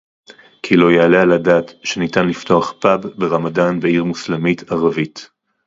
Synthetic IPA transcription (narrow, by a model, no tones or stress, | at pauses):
kʰilo̞jaalealadaːtʃenitanlifto̞aχpabːeʁamadanbeiʁmuslemitʰaʁavit